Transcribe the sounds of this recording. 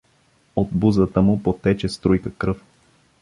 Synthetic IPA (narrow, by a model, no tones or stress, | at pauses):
od̪buzət̪əmʊpot̪ɛt͡ʃɛst̪ɾujkəkɾɤf